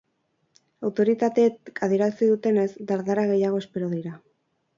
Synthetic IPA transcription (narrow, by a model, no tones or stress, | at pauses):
awt̪o̞ɾit̪at̪e̞kʰaðeɾat͡siðut̪e̞ne̞zd̪aɾðaɾaɣe̞jaɣ̞o̞e̞spe̞ɾoðiɾa